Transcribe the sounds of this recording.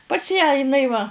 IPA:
pɐs jæː ɪˈnɐɪ ʋɐ

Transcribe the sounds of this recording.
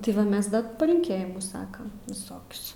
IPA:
tʲɪ ˈʋɐ ˈmʲɛs ˈdɐ pɐlʲɪŋʲˈkʲeːjɪmʊs ˈsɑːkɐm ʋʲɪˈsoːkʲʊs

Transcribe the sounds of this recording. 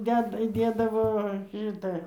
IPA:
ˈdʲæːdɐ iːˈdʲeːdɐʋoː ˈʃʲɪtɑː

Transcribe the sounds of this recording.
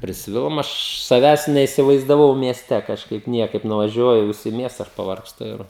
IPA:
pʲrʲɪsʲˈʋʲɪlˠoːm ˈɐʃ sɐˈʋʲæːs nʲɛɪsʲɪʋɐɪzdɐˈʋɐʊ mʲiɛˈsʲtʲɛ kɐʃˈkɐɪp ˈnʲiɛkɐɪp nʊʋɐˈʒʲuɔjʊ ˈʋʲɪs ɪ ˈmʲiɛstɐ ˈɐʃ pɐʋɐrksˈtʊ ɪr

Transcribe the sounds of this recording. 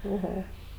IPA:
oːˈɣoː

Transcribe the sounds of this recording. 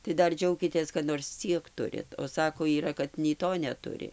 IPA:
tɐɪ ˈdɐr ˈd͡ʒʲɛʊkʲɪtʲeːs kɐt noːrs ˈt͡sʲiɛk ˈtʊrʲɪt oː ˈsɑːkoː iːˈrɐ kɐt nʲɛɪ ˈtoː nʲɛˈtʊrʲɪ

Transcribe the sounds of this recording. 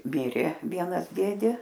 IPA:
ˈmʲɪrʲeː ˈʋʲiɛnɐs ˈdʲeːdʲeː

